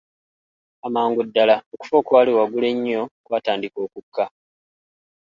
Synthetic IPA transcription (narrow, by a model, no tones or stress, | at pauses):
amaːŋɡudːalaoku̥fo̞ːkwaːliwaɡule̞ɲːo̞kwaːtaːndiko̞ːkukːa